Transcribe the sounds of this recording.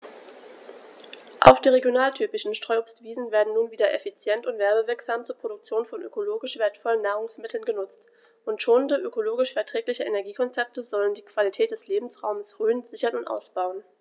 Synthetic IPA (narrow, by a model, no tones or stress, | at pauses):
ʔa̰ʊxd̥iːʁeɡjonaːltʰyːpɪʃn̩ʃtʁ̥ɔʏopstv̥iːzn̩veːɐdn̩nuːnviːdɐʔɛfit͡sjɛntʊntv̥ɛɐbəvɪɐkz̥aːmt͡suːɐpʁ̥odʊk̚t͡sjoːnfɔnʔø̰koloːɡɪʃv̥eːɐtfɔlənːaːʁ̞ʊŋsmɪtʰl̩nɡənʊt͡st | ʔʊntʃoːnəndəʔøkoloːɡɪʃfɛɐtʁ̥ɛːklɪçəʔenɛɐɡiːkʰɔnt͡sɛp̚təzɔləndiːkv̥alitʰɛːt̚d̥ɛsleːbm̩sʁaʊməsʁyːənzɪçɐnʊntʔa̰ʊsb̥aʊən